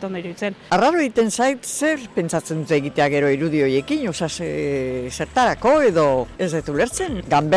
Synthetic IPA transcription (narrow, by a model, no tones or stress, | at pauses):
t̪ond̪oiɾuðit͡senaraɾoeɣit̪e̞nsajt̪se̞ɾpe̞nt͡sat͡se̞nd̪ut̪eɣit̪e̞aɣe̞ɾo̞iɾuðio̞je̞kiɲosas | se̞ɾt̪aɾako̞e̞ðo̞ezðet̪ule̞ɾt͡se̞ŋɡambe